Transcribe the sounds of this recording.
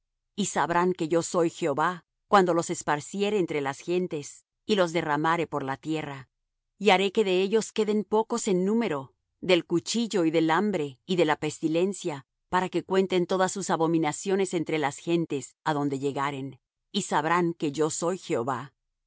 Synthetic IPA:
isaβɾaŋke̞ʝo̞so̞jxeoβa | kwand̪o̞lo̞se̞spaɾsje̞ɾeːnt̪ɾe̞lasxe̞nt̪e̞s | ilo̞zðe̞ramaɾe̞po̞ɾlat̪je̞ra | iaɾe̞ke̞ðe̞e̞ʝo̞ske̞ðe̞mpo̞ko̞senːũme̞ɾo̞ | ðe̞lkut͡ʃiʝo̞iðe̞lambɾe̞iðe̞lape̞st̪ile̞nsja | paɾake̞kwe̞nt̪e̞nt̪o̞ðasːusaβo̞mĩnasjo̞ne̞se̞nt̪ɾe̞lasxe̞nt̪e̞saðo̞nd̪e̞ʝe̞ɣaɾe̞n | isaβɾaŋke̞ʝo̞so̞jxeoβa

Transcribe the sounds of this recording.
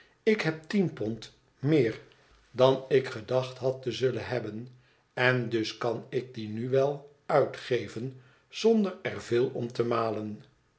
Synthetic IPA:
ɪkɦɛp̚tinpɔnt | mɪːɹ | dɑnɪkχədɑχtɦɑtəzɵlənɦɛbən | ɛndɵskɑnɪk̚dinyʋɛlˠ | œɥtχejvən | z̥ɔndəɹɛrvɪːlˠɔmtəmaːlən

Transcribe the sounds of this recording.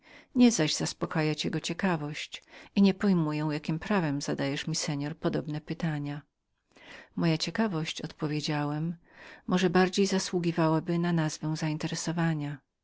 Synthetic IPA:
ɲɛzaʑzaspɔkajat͡ɕɛɡɔt͡ɕɛkavɔɕt͡ɕʔiɲɛpɔjmujɛw̃jakʲimpɾavɛmzad̪ajɛʂmʲisɛɲɔɾpɔd̪ɔbnɛpɘt̪aɲa | mɔjat͡ɕɛkavɔɕt͡ɕɔt̪pɔvʲjed͡ʑawɛmː | ɔʐɛbaɾd͡ʑejzaswuɡʲivawabɘnanazvɛw̃zaint̪ɛɾɛsɔvaɲa

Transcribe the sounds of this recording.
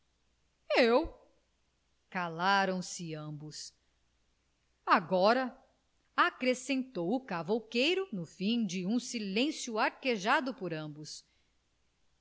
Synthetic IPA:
ew | kalaɾɐ̃w̃sɪɐ̃bʊs | aɡɔɾɐ | akɾesẽnt̪owʊkavowkejɾʊnʊfĩj̃d͡ʒɪũsilẽsjʊaɾkeʒad̪ʊpoɾɐ̃bʊs

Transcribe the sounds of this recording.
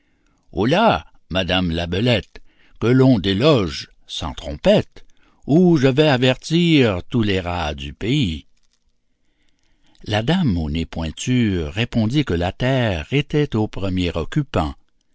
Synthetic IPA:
o̰la | mad̪amlabəlɛt̪ | kəlɔ̃d̪elɔʒ | sɑ̰̃t̪ʁɔ̰̃pɛt̪ | uʒəvɛavɛʁt̪iʁt̪uleʁad̪ypei | lad̪amonepwɛ̃t̪yʁepɔ̃d̪ikəlat̪ɛʁet̪ɛt̪opʁəmjeʁɔkʲypɑ̃

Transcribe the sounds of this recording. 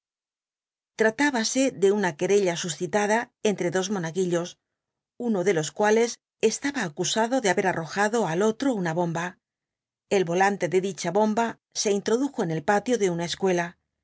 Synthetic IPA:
t̪ɾat̪aβase̞ðe̞unake̞ɾe̞ʎasusθit̪aðae̞nt̪ɾe̞ðo̞zmo̞naɣiʎo̞s | uno̞ðe̞lo̞skwale̞s | e̞st̪aβaːkusaðo̞ðeaβe̞ɾaro̞xaðo̞alo̞t̪ɾo̞unaβo̞mba | e̞lβolant̪e̞ðe̞ðit͡ʃaβo̞mba | se̞int̪ɾo̞ðuxo̞ene̞lpat̪jo̞ðe̞unaeskwe̞la

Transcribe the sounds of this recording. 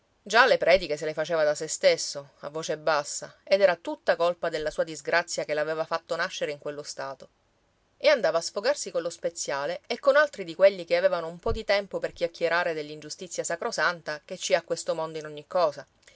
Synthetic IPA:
d͡ʒalepɾɛːd̪ikes̬elefat͡ʃeːvad̪asest̪esːoa̰vːoːt͡ʃebːasːa̰ed̪ɛːɾat̪ut̪ːakolpad̪elːasuːad̪izɡɾat̪sːjakelaveːvafat̪ːonaʃːeɾeiŋkwelːost̪aːt̪o | eand̪aːvaːsfoɡarsikonlospet̪sːjaːleːkːonalt̪ɾid̪ikweʎːikeaveːvanoumpɔd̪it̪ɛmpoperk̟jakːjeɾaːɾed̪elːind͡ʒust̪it̪sːjasakɾosant̪aket͡ʃːiakːwest̪omond̪oinoɲːikːɔːsa

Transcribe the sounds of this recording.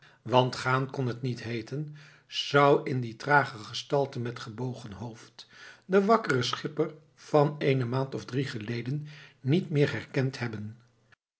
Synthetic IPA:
ʋɑntχaːnkɔnɦətnitɦejtən | z̥ʌwɪnditraːχəχəstɑlˠtəmɛtχəbowχənɦowftdəʋɑkərəsχɪpər | v̥ɑnejnəmaːntɔvdriχəlejdənːitmɪːɹɦɛɹkɛnthɛbən

